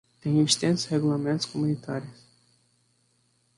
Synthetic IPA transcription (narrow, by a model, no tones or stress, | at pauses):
t̪ẽj̃ĩvist̪ẽnt̪sheɡulamẽnt̪ʊ̥skomunit̪aɾiʊs